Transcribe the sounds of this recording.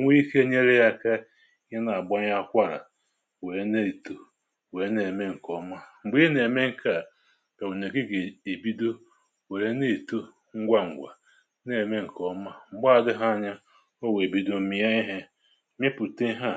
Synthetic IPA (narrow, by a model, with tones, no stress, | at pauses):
ŋʷ˦i˦ke˦ɲe˦ɾe˦ja˦ka˦ | je˦na˨a˨ɡ͡bɔ˦ɲa˦kʷa˦ɾa̰˨ | we˨ɾe˦ne˦˨tu˦ | we˨ɾe˦ne˨me˦ŋ̩˨kɔ˦ma˦ŋ͡m̩˨ɡ͡bi˦e˦ne˨me˦ŋ̩˦˨ka˨ | ka˨u˨ne˨ɡe˦ɡe˨e˨bi˦do˦ | we˨ɾe˦ne˦˨tu˦ | ŋ̩˦ɡʷa˦ŋ̩˨ɡʷa˨ | ne˨me˦ŋ̩˨kɔ˦ma˦ŋ͡m̩˨ɡ͡ba˦a˨dɪ˦ɦa˦a˨ɲa˦ | o˦we˨e˨bi˦do˨m̩˦mi˦ja˦i˦ɦe˦ | me˦pu˨te˦ɦa˦˨